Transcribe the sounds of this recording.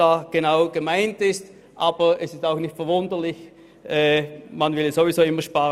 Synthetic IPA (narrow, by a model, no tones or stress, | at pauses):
aːɡ̥ənaʊɡ̥əmaɪntɪst | ʔaːb̥əɛsɪstaʊxnɪçtfɛɐvʊndəlɪç | ʔɛːmanvɪlɛsoviz̥oːɪmːɐʃpaːʁ